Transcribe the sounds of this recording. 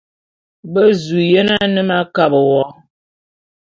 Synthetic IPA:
bə˦zu˨jɛ˦na˦nɨ˦ma˦ka˦bə˨wɔ˦

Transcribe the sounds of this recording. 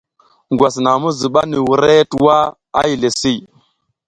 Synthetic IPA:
ŋɡwa˨sna˨mu˦zi˨ɓa˦ni˨wu˨ɾe˦twa˦ | a̰˦ji˨le˨si˦

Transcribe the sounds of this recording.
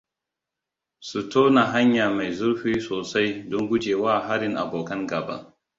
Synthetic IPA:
su˨toː˦na˨ɦa˦ɲjaː˨ma˨jzʊ˦ɾɸiː˦soː˨sa˦jdʊ˦ŋɡʷʊ˦d͡ʒeː˨waː˦˨ɦa˦ɾɪ˦ŋʔa̰˨boː˨kɐ˦ŋɡɐ˨bɐ̰˦

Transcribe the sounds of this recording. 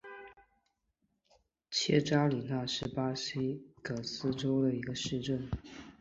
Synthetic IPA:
t͡ɕʰjɛ˥ʈ͡ʂa˥li˨˩na˥˩ʂɻ̩˥pa˥si˥kɤ˨˩sɹ̩˥ʈ͡ʂo˥ʊd̪ə˨i˧˥ɡə˧ʂɻ̩˥˧ʈ͡ʂə˥˩n

